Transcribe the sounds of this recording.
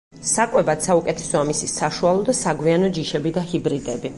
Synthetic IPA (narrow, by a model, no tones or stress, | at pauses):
sakʼwɛbat̪saukʼɛt̪ʰɛ̥sɔamisisaʃualˠɔd̪asaɡwianɔd͡ʒiʃɛbid̪ahibɾid̪ɛbi